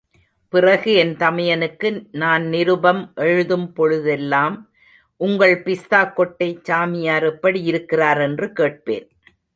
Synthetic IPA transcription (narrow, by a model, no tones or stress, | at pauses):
pɪrɐɣɯɛnt̪ɐmɐjɐnɯkːɯnaːnnɪɾɯbɐmʔɛɻɯðɯmpɔɻɯðɛlːaːm | ʔʊŋɡɐɭpɪst̪aːkːɔʈːɐɪt͡ʃːaːmɪjaːɾɛpːɐɽijɪɾɯkːɪraːɾɛndrɯkeːʈ̚pḛːn